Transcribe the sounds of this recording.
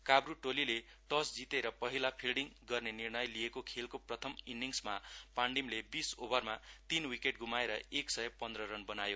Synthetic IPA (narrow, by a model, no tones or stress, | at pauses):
kabruʈolile | ʈʌsd͡zit̪eɾʌpʌɦilapʰilɽiŋɡʌrnenirnʌjlijekokʰelkoprʌt̪ʰʌminɖiŋsmapaɳɖimlebisobʌrmat̪inwikeʈɡumaeɾʌeksʌjʌpʌnd̪rʌɾʌnbʌnajo